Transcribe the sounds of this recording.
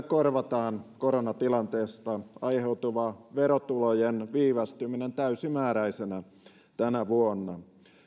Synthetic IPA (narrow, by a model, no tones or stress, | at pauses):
korʋɑt̪ɑːnkoɾonɑt̪ilɑnt̪eːst̪ɑɑiheut̪uʋɑʋeɾot̪ulojenʋiːʋɑst̪yminent̪æysimæːɾæisenæ | t̪ænæʋuonːɑ